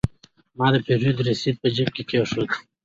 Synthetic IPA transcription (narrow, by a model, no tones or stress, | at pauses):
mɑːd̪əpeɾud̪ɾesid̪̚pəd͡ʒɪb̚kekʰeʂod̪